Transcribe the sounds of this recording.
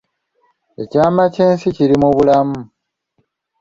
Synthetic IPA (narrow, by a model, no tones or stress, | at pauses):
e̞caːmace̞ːnsiciɾimuβulamu